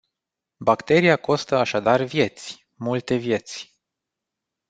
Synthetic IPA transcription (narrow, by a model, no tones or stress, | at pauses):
bakt̪e̞ɾiako̞st̪əaʃad̪arvje̞t̪sʲ | mult̪e̞vje̞t̪sʲ